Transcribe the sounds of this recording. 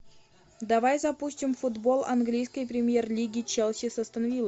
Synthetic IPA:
d̪ɐvajzɐpusʲtʲɪmfud̪bo̞lˠɐ̰nɡlʲijskəjprʲɪmʲjerlʲiɡʲit͡ɕɛlˠsʲɪsəst̪ənavʲilˠə

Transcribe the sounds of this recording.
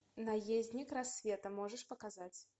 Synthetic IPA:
najezʲnʲikɾasʲvʲɛt̪ɐmɔʐəʂpɐkazat͡sʲ

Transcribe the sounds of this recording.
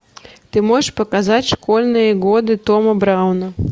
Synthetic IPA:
t̪ɨmɔjʂpɐkazat͡sʲʂkɔlʲnɨjɐɣɔd̪ɨt̪ɔmɐbɾawnɐ

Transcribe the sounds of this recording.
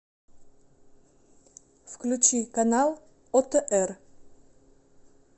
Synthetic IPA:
fklʲʉt͡ɕikanalˠ | ot̪əʔɛr

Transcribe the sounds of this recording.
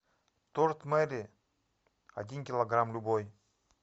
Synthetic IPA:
t̪oɾt̪məɾi | a̰d̪ʲinkʲilˠoɡɾamlʲuboj

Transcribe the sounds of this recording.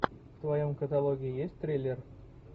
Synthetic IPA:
ft̪vajomkət̪alˠoɡʲijijesʲtʲt̪rʲelʲːer

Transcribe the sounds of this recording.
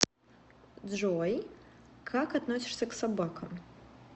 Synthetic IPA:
d̪ʐɔjkʰakad̪nɔsʲi̥ʂsʲɐksabakʰɐm

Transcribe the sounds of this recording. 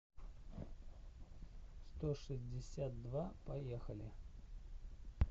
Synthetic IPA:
st̪oʂɨzʲdʲɪsʲat̪̚d̪vapɐjexəlʲɪ

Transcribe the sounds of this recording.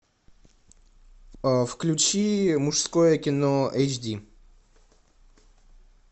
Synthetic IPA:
fklʲʉt͡ɕimʊʂskojəkʲɪnoɛjt͡ɕdʲi

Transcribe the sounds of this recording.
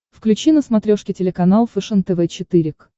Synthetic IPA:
fklʲʉt͡ɕinəsmɐt̪ɾʲoʂkʲɪtʲɪlʲɪkɐnalˠfɨʂɨnt̪ɛvɛt͡ɕɪt̪ɨɾʲɪk

